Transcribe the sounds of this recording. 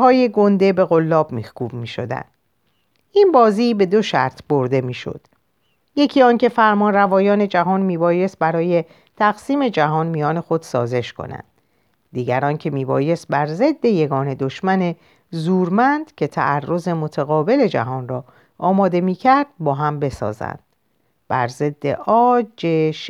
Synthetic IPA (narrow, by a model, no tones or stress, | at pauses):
hɒːjeɡo̞nd̪e̞be̞ɣo̞lːɒːbmihkuːbmiːʃo̞̰d̪æ̰nd̪̥ | ʔinbɒːziːbe̞d̪o̞ʃæ̰ɾt̪ʰbo̞ɾd̪e̞miːʃo̞̰d̪̥ | je̞cʰiːɒːncefæɾmɒːnrævɒːjɒːne̞d͡ʒæɦɒːnmiːbɒːje̞st̪̚bæɾɒːje̞ | t̪ʰæɣsiːme̞d͡ʒæɦɒːnmijɒːne̞xo̞d̪̥sɒ̰ːze̞ʃkʰo̞̰næ̰nd̪̥ː | iːɟæɾɒːncʰe̞miːbɒːje̞st̪̚bæɾze̞d̪ːe̞je̞ɡɒːne̞d̪o̞ʃmæne̞ | zuːɾmænd̪̥cʰe̞t̪ʰæ̰ʔærːo̞ze̞mot̪ʰæɣɒːbe̞le̞d͡ʒæ̰ɦɒːnrɒː | ʔɒːmɒːd̪e̞miːcʰæɾd̪̥̚bɒːɦæmbe̞sɒ̰ːzæ̰nd̪̥ | b̥æ̰ɾze̞d̪ːe̞̰ʔɒːd͡ʒeʃ